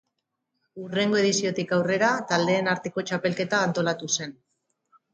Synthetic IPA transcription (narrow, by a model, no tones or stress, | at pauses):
ure̞ŋɡo̞e̞ð̞isio̞t̪ikawre̞ɾat̪ald̪e̞ːnaɾt̪e̞ko̞t͡ʃape̞lke̞t̪aːnt̪o̞lat̪use̞n